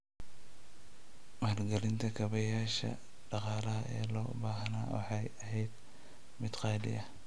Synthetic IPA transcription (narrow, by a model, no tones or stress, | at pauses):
mɐhrɡɐlɪnt̪ʰɐkʰɐβɐjaːʃɐ̰ | ɖ̥ɑqɑːlɐɦɐʔɛ̰ːlɔ̰ːbaːɦnaːwɑ̰ħɑjɐɦɛjd̪ | mɪd̪qɑːlɪ̰jɐ